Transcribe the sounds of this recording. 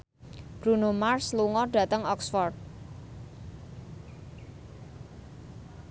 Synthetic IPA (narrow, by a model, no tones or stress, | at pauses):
b̥ɾunomarsluŋɔɖa̤t̪əŋɔksfɔrd̪̚